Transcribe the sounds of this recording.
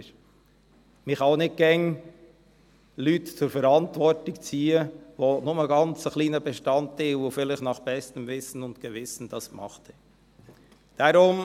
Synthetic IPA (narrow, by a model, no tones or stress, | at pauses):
mɪχaʊnɪt̚ɡ̥ɛŋ | lyːtt͡sʊɾfɛɾɑntvɔɾtɪkt͡siːəvonʊməɡɑnt͡səχliːnəbɛʃtɑnttilvofɪlɪçnɑχb̥ɛstəmvɪsn̩ʊntɡ̥əvɪsn̩d̥ɑsmɑ̰χtə̥ | d̥ɑɾʊm